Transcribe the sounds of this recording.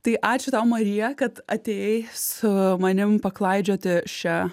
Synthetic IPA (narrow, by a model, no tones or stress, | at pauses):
t̪ɐɪʔɑːt͡ʃʲʊt̪ɐʊmɐɾʲijɛkɐt̪ɐt̪ʲeːjsʊmɐnʲɪmpɐklˠɐɪd͡ʒʲoːt̪ʲɪʃʲɛ